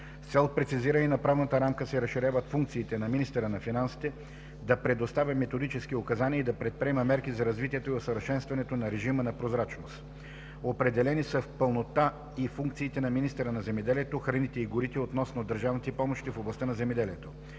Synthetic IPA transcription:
ft̪sɛl̚ˠpɾɛt̪siziɾəninɐpɾavnət̪əɾamkəsɛɾɐsʃːiɾʲjavət̪fuŋk̚t̪siːt̪ɛnɐminist̪ɛɾənɐfinansi̥t̪ɛ | d̪ɐpɾɛd̪ost̪avʲɐmɛt̪od̪it͡ʃɛsk̟iokɐzaniəid̪ɐpɾɛt̪̚pɾiɛməmɛɾkizɐɾɐzvit̪ʲiɛt̪oiosəvəɾʃɛnst̪vɐnɛt̪onɐɾɛʒimənɐpɾozɾat͡ʃnost̪ | opɾɛd̪ɛlɛnisəfpəlˠnot̪a | ifuŋk̚t̪siːt̪ɛnɐminist̪ɛɾənɐzɛmɛd̪ɛliɛt̪oxɾɐnit̪ɛiɡʊɾit̪ɛot̪nɔsnod̪əɾʒavnit̪ɛpɔmoʃt̪ifoblˠɐst̪anɐzɛmɛd̪ɛliɛt̪o

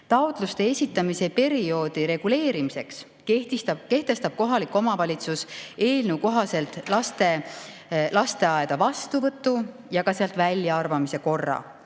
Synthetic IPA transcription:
t̪ɑwt̪ˑlust̪e̞esʲit̪ːˑɑmise̞pe̞ɾio̞ːd̪̥iɾe̞ɡ̥ule̞ːɾimise̞ks | keht̪it̪ɑke̞ht̪e̞st̪ɑb̥̚ko̞ɦɑlikːˑo̞mɑvɑlʲit̪suse̞ːlnewko̞ɦɑse̞lt̪ːˑlɑst̪e̞ | lɑst̪e̞ɑed̪̥ɑvɑst̪uvɤt̪ːˑu | jɑɡɑseɑlt̪vælʲːjɑɑrvɑmise̞ko̞rːɑ̰

